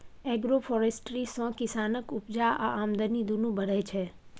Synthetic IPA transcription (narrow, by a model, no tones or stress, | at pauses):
ɛɡɾofʰɔɾesʈɾisɔ̃kɪsanəkʊpd͡ʒaaʔamd̪ənid̪unũbəɽet͡ʃʰe